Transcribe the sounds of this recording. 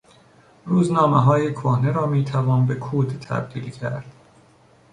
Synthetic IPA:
ruːznɒːmeɦɒːjekʰohneɾɒːmiːt̪ʰævɒːnbe̞kʰuːd̪t̪ʰæ̰b̚d̪iːlcʰæɾd̪̥

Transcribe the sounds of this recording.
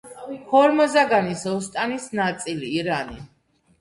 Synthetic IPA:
hʰɔɾmɔzaɡanisɔst̪ʼanisnat̪sʼiliːɾani

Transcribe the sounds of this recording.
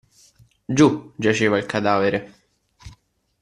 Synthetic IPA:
d͡ʒud͡ʒat͡ʃeːvailkad̪aːveɾe

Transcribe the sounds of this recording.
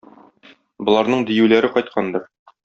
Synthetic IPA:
bŏlˠɑɾnɤɴd̪ijʉlæɾɘqɒjt̪̚qʰɑnd̪ɤɾ

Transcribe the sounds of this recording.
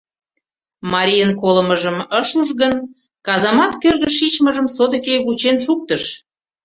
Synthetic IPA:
mɑɾʲijənkoləməʒəməʃuʒɣən | kɑzɑmɑt̪kørɣəʃːit͡ɕməʒəmsod̪əkejβut͡ɕenʃuk̚t̪əʃ

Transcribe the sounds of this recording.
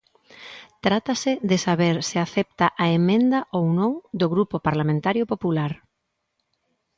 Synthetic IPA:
t̪ɾat̪asɪðɪsaβeɾsɪaθɛp̚t̪aʔaemẽnd̪ɐʔownõŋd̪oɣɾupopaɾlamẽnt̪aɾjopopulaɾ

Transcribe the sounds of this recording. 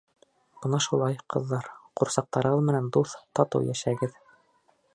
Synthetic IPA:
b̥ɤnɑʃulˠɑjqʰɤ̆ðːɑɾquɾsɑq̚t̪ɑɾɤ̆ʁɤðmɘ̆nænd̪uθt̪ɑt̪ɤ̰wjæʃæɡɘð

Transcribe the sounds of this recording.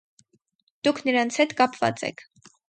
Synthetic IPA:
d̪̥ukʰnəɾɑnt͡sʰhɛt̪kɑpvɑ̰t͡sɛ̰kʰ

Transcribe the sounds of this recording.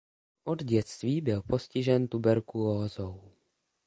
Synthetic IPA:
ʔo̞d̪ɟɛt͡st̪viːbɪlpo̞scɪʒɛnt̪ubɛɾkulozow

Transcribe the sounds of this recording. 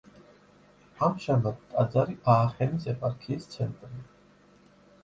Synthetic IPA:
amʃamad̪t̪ʼad̪zaɾiʔaːχɛnisɛpʼaɾkʰiːst̪sʰɛnt̪ʼri

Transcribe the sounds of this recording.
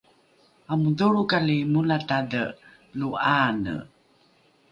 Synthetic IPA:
amuduɾukalimulatadə | luʔanə̰

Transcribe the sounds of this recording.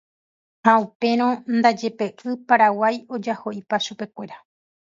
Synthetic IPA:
haupe̞ɾ̃õ̞nd̪ad͡ʒe̞pe̞ʔɨpaɾawajo̞d͡ʒaho̞ʔipaʃupe̞kʷe̞ɾa

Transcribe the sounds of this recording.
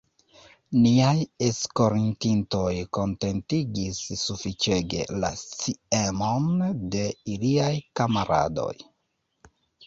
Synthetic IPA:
niajesko̞ɾintinto̞jko̞nte̞ntiɡisːufit͡ʃe̞ɡe̞̰la̰t͡siemo̞nde̞iliajkamaɾa̰do̞̰j

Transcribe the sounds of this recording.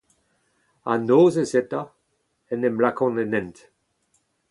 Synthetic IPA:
a̰noːzezɛt̪a | ɛnɛmlakɔ̃nenɛ̃nt

